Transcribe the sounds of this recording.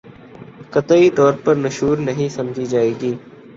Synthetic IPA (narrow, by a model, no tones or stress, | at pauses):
kət̪əit̪ɔːɾpəɾməʃɦuːɾnəɦĩsɐmd͡ʒʱid͡ʒaːeːɡiː